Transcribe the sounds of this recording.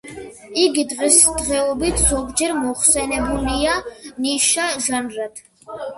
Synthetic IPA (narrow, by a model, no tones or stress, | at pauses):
iɡid̪ʁɛsd̪ʁɛɔbit̪ʰz̥ɔɡd͡ʒɛɾmɔχsɛnɛbulianiʃaʒanɾad̪̥ʰ